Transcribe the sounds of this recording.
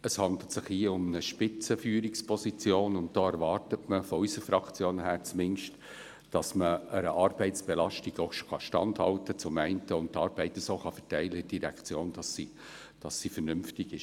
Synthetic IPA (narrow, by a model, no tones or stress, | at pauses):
əshɑndl̩tsɪχiːəʊmnəʃpɪt͡səfyːɾikspʰɔsit͡sjoːnʊnt̚d̥oːɛɾʋɑːrtətməfɔysəɾfɾɑkt͡sjoːnɦæːɾt͡smɪnʃt | d̥ɑsməəɾəʔɑːrb̥ɛɪtt͡sb̥ɛlɑʃtiɡ̥oʊʃχɑʃtɑ̰ndhɑ̰ltət͡sʊmæɪntəʊnttːɑːɾbɛɪtəsoːχɑfɛ̥tæɪləɪd̥iɾækt͡sjoːnd̥ɑssi | d̥ɑsːifəɾnʏmftɪɡɪʃ